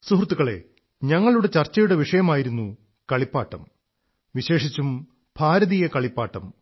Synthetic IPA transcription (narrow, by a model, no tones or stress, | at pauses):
suhrt̪ːuɣɐɭe̞̰ | ɲɐŋːɐɭuɽe̞t͡ɕɐrt͡ɕːɐjuɽe̞ʋiʂɐjɐmaːjiɾunːu | kɐɭipːaːʈːɐ̰m | ʋiɕe̞ːʂit͡ɕːum | b̥ʱaːɾɐðijɐkɐɭipːaːʈːɐm